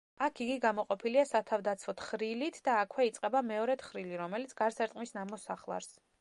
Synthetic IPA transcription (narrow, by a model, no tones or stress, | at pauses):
akʰiɡiɡamɔqʼɔpʰiliasat̪ʰavd̪at̪sʰvɔt̪ʰχɾilit̪ʰd̪aːkʰwɛit̪sʼqʼɛbamɛɔɾɛt̪χɾiliɾɔmɛlit̪sɡ̥aɾsɛɾt̪ʼmisnamɔsaχlˠa̰ɾs